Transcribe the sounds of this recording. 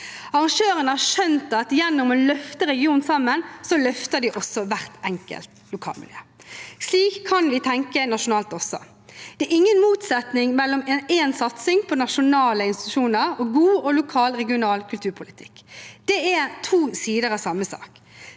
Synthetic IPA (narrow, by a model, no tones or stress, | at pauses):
ɑʁɑŋʂøːʁənəɑʂœnt̪ɑt̪jɛnːɔmɔlœft̪əɾɛɡɪuːnsɑmːənsɔlœft̪əd̪ɪʔɔsːɔʋæʁt̪ɛŋkə̰lt̪lʊkʰɑ̰ːlmɪ̰ljø̰ːsliːkʰːɑnʋɪt̪ʰɛŋkənɑʂʊnɑːlt̪ɔsɔ̰ | d̪̥ɛæɾɪŋːənmuːt̪sɛt̪nɪŋmɛlːɔmeːnsɑt̪sɪŋpʰɔnɑʂʊnɑːləɪnst̪ɪ̥t̪ʉʃuːnəʁɔɡuːɔlʊkʰɑːlʁɛɡɪʊnɑːlkʰʉlt̪ʰʉːɾpʰʊlɪt̪ʰɪkːd̪̥ɛæt̪ʰuːsiːd̪əɾɑsɑmːəsɑ̰ːk